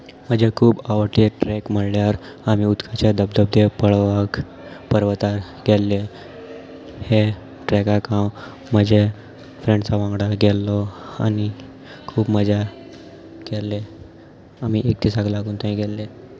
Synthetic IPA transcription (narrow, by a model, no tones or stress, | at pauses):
m̤əd͡ʑʱekʰuːbaʋəʈeʈɾɛkm̤əɽljaɾ | amiud̪kʰat͡ɕed̪əb̚d̪əb̚d̪epəɭʋak | pəɾʋət̪aɾ | ɡɛlːe | he | ʈɾɛkakãw | m̤əd͡ʑe | fɾẽɳɖt͡saʋãŋɡɽaɡɛlːɔa̰ni | kʰuːbməd͡za | ɡɛlːe | amiʔek̚t̪ʰisaɡlaɡuːnt̪ãĩɡɛlːe